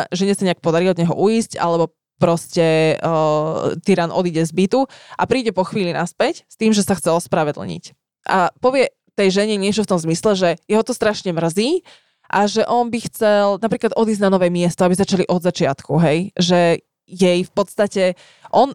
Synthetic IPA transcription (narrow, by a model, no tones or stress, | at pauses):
ʒɛɲɛsaɲɛak̚pɔd̪aɾiɔd̪ɲɛɦɔ̰ʔuiːsca̰lɛbɔ | pɾɔscɛ | t̪iɾaːnɔ̰d̪iːɟɛzbit̪uʔapɾiːɟɛpɔxʋiːlinaspɛcst̪iːmʒɛsaxt͡sɛlspɾaʋɛd̪l̩ɲḭc | ʔapɔʋɪɛ | t̪ɛjʒɛɲɛɲɪɛt͡ʃɔft̪ɔmzmislɛʒɛjɛɦɔt̪ɔst̪ɾaʃɲɛmr̩ziː | ʔaʒɛʔɔnbixt͡sɛlnapɾiːklad̪ʔɔd̪iːzɟnanɔʋɛːmɪɛst̪ɔabizat͡ʃaliʔɔd̪zat͡ʃɪat̪kuɦɛjʒɛ | jɛjfpɔt̪st̪acɛ | ʔɔn